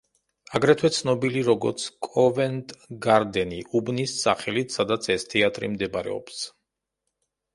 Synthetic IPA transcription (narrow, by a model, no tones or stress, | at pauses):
aɡɾɛt̪ʰwɛt̪sʰnɔbiliɾɔɡɔ̰ɾt̪sʰkʼɔvɛnt̪ʼɡaɾd̪ɛniʔubnisːaχɛlit̪ʰsad̪at̪sʰɛst̪ʰɛat̪ʼɾḭmd̪ɛbaɾɛ̰ɔ̰ps